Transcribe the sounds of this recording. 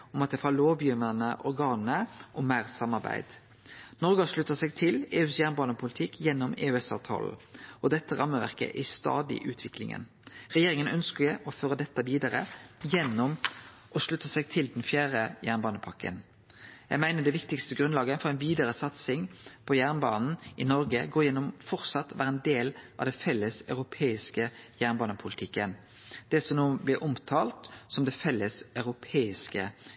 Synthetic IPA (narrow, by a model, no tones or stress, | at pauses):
ɔmɑt̪̚d̪ɛhɑːloːʋjʏmənəʔɔɾɡɑːnəʔɔmæːʁsɑmːɑʁbæ̰ɪd̪̥ | nɔɾɡɔʂlʉt̪ːəsɛɡt̪ʰɪleːʉːsjæʁnbɑːnəpʰʊlɪt̪ʰɪkʰːjɛnːɔmḛːʉɛsɑ̰ːʋt̪ʰɑ̰ːl̩ʔɔd̪ɛt̪ːəʁɑmːəʋæ̰ʁkə̰ʔɪst̪ɑ̰ːd̪ɪ̰ʔʉːt̪ʰʋɪklɪ̰ŋə̰n | ʁɛjeːɾɪŋənœnskəɔføːɾəd̪ɛt̪ːəʋiːd̪ɑʁə̰jɛnːɔmʔɔʂlʉt̪ːəsɛɡ̚t̪ʰɪld̪ɛnfjæːʁəjæʁnbɑːnəpʰɑkːə̰n | jæ̰ɪɡmæɪnəd̪ɛʋɪkt̪ɪkst̪əɡɾʉnlɑːɡəfɔʁɛɪnʋiːd̪əɾəsɑt̪sɪŋpʰɔjæːʁnbɑːnn̩ʔɪnɔɾɡəɡoːjɛnːɔmfɔʁt̪sɑt̪ːʋæːɾəɛnd̪eːlʔɑ̰ʋd̪ɛnfɛlːəsɑʉɾʊpʰeːɪskəjæʁnbɑːnəpʰʊlɪt̪ʰɪkːən | d̪̥ɛsɔmnoːblɪʔɔmt̪ʰɑːlt̪sɔmd̪ɛfɛlːəsɑʉɾʊpʰeːɪskə